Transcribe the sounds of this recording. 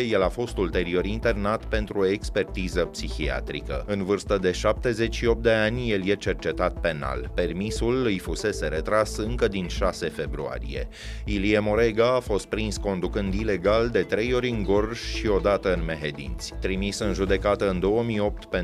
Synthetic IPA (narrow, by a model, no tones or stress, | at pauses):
jelafo̞st̪ult̪e̞ɾio̞ɾint̪e̞rnat̪pe̞nt̪ɾuoekspe̞rt̪izəpsixia̰t̪ɾḭkə̰ɨnvɨrst̪əd̪e̞ʃap̚t̪e̞ze̞t͡ʃʲʃio̞p̚t̪d̪e̞anʲjeljet͡ʃe̞rt͡ʃe̞t̪at̪̚pe̞na̰lpe̞rmisulɨjfuse̞se̞ɾe̞t̪ɾasɨŋkəd̪inʃase̞fe̞bɾua̰ɾḭje̞̰ | iliemo̞ɾeɡaːfo̞st̪̚pɾinsko̞nd̪ukɨnd̪ile̞ɡald̪e̞t̪ɾe̞jo̞ɾʲɨŋɡo̞rʒʃio̞d̪at̪əɨnme̞ɦed̪ḭnt̪sʲt̪ɾimisɨnʒud̪e̞kat̪əɨnd̪o̞wəmijo̞p̚t̪pe